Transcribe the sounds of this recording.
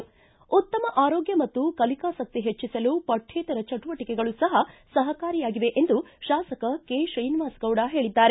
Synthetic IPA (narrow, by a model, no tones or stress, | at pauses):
ut̪ːɐmɐʔaːɾoːɡjɐmɐt̪ːukɐlikaːsɐk̚t̪iɦet͡ʃːisɐlupɐʈʰːɛːt̪ɐɾɐt͡ʃɐʈuʋɐʈikɛɡɐɭusɐɦɐsɐɦɐkaːɾijaːɡiʋe̞ʔend̪uʃaːsɐkɐkeːʃɐjnʋaːsɡɐwɽaɦe̞ːɭid̪ːaːɾe